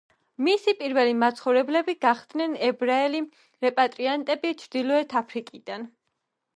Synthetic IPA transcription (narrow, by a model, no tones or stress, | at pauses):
misipʼiɾvɛlimat̪sʰχɔvɾɛblɛbiɡaχd̪nɛnɛbɾaɛli | ɾɛpʼat̪ʼɾiant̪ʼɛbit͡ʃʰɾd̪ilɔɛt̪ʰapʰɾikʼid̪an